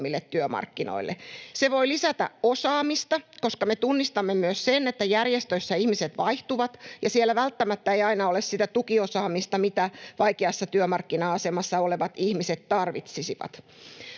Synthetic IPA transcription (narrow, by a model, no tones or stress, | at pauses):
mːilːet̪t̪yømɑ̰rkːino̰ilːʔḛseʋoilisæt̪æ̰osɑːmist̪ɑkoskɑmet̪unːist̪ɑmːemyøssenet̪ːæjærjest̪øsːæihmiset̪ʋɑiht̪uʋɑt̪jɑsielːˑæʋælt̪ːæmæt̪ːæeiɑinɑolessit̪æt̪ukiosɑːmist̪ɑmit̪æʋɑikeɑsːɑt̪yømɑrkːinɑɑsemɑsːɑoleʋɑt̪ihmiset̪t̪ɑrʋit̪sisiʋɑ̰t̪